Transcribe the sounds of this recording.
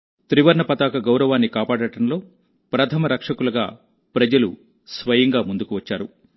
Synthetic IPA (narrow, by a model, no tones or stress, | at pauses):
t̪ɾiʋɐɾɳɐpɐt̪aːkɐɡɐwɾɐʋaːnːikaːpaːɽɐʈɐmlo̞ː | pɾɐt̪ʰɐmɐɾɐkʂɐkulɐɡa̰ː | pɾɐd͡ʒɐlṵ | sʋɐjɐŋɡaːmund̪ukuʋɐt͡ʃːaːɾu